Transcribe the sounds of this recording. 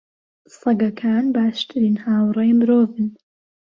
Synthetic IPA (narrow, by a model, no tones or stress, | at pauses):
sɐɡɐkʰaːnbaːʃt̪ʰɨɾiːnhaːwrˤɛjmɨɾoːvɨn